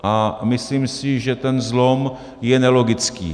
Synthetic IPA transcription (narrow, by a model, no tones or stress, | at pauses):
ʔamɪsliːmsɪʒɛt̪ɛnzlo̞m | jɛnɛlo̞ɡɪt͡skḭː